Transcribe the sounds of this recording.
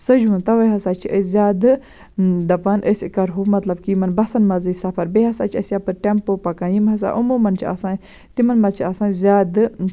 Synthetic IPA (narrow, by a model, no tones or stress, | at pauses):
sɐd͡ʒuunt̪ɐʋɐjɦɐsaːt͡ʃʰiəzʲaːd̪ɨ | d̪ɐpaːnʔəsʲikɐɾɦumɐt̪lɐbkiːmɐnbɐsɐnmɐzɨsɐpʰɐɾbeɦɐsaːt͡ʃʰiɐsjaːpɨɾʈempoːpɐkaːnjimɦɐs̬a̰ːʔumuːmɐnt͡ʃʰia̰ːsaːn | t̪imɐnmɐzt͡ʃʰiaːsaːnzʲaːd̪